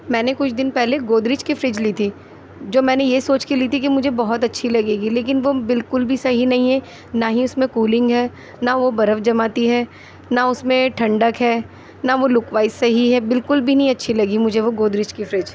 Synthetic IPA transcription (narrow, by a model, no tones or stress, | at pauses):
mɛ̃ːnekʊt͡ʃʰd̪ɪnpɛɦleɡoːd̪ɾɪt͡ʃkifɾɪd͡ʒliːt̪ʰi | d͡ʒoːmɛ̃ːnejesoːt͡ʃkiliːt̪ʰikimʊd͡ʒʱebɐɦɔt̪ɐtːʃʰilɐɡeːɡileːk̬ɪnʋobɪlkʊlbʱisɐɦinɐɦĩɦɛ | naɦĩʊsmẽkuːlɪ̃ŋɡɦɛː | naʋobɐɾəfd͡ʒɐmaːt̪iɦɛː | naʊsmẽʈʰɐ̃ɳɖəkɦɛː | naʋolʊkʋaːɪsɐɦiɦɛbɪlkʊlbʱinɐɦĩɐtːʃʰilɐɡimʊd͡ʒʱeʋoɡoːd̪ɾɪt͡ʃkifɾɪd͡ʒ